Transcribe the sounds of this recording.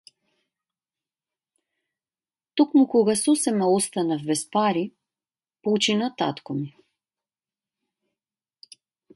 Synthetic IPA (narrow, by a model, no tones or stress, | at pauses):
t̪okmukɔɡasɔsɛmaɔst̪anavbɛspaɾi | pɔt͡ʃinat̪a̰t̪komu